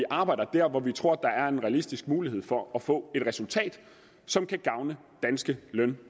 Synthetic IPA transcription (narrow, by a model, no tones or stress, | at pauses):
iʔɑ̈ːb̥ɑ̈ɪ̰d̥ɐd̥æɐ̰ʋɒʋit͡sʰʁo̝ɐ̰d̥ɑ̈æɐe̝nʁɛælisd̥isɡ̥̚muːlihe̝ð̞̰ˠfɒ̽ːfɔ̰̽ːe̝d̥ʁɛsult͡sʰɛ̰ːd̥ | sɒ̽mkʰæɡ̥ɑ̈ʊnə | d̥ænsɡ̥əlœn